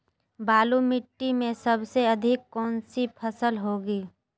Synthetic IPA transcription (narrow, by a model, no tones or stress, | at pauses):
baːlumɪʈːimẽsəbseɐd̪ʱɪkːɔːnsipʰəsəlɦoːɡiː